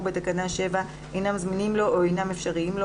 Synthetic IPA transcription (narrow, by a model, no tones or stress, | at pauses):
bet̪akanaʃe̞va | ejnamzminimlo̞ʔoejnamefʃaʁiimlo̞